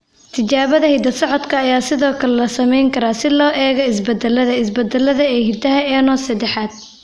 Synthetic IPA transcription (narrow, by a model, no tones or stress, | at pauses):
t̪ʰɪt͡ʃaːβɐðɐhɪd̪ɐsɔʕɔd̪kʰɐːjaːsɪðɔːkʰɐlɛlɐsɐmɛjŋkʰɐɾaːsɪlɔːʔɛːɣɔɪsbɐd̪ɛlɐðɐɪsbɐd̪ɛlɐðɐɛːhɪd̪ɐɦɐɛːnɔːsɐd̪ɛħaːd̪̚